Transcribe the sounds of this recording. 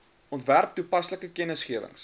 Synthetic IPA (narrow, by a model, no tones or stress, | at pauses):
ʔɔntværp̚tupɐsləkəkənəsχiəvə̰ŋs